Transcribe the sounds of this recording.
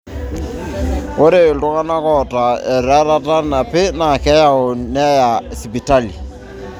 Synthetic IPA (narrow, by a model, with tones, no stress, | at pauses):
o˦ɾe˦˨lo˦ka˦na˦kɔ˨ta˨e˨ɾa˦ɾa˦ta˦na˨pɪ˦na˨kɛ˦ja˦o˨nɛ˦ja˨si˨pi˨ta˦li˨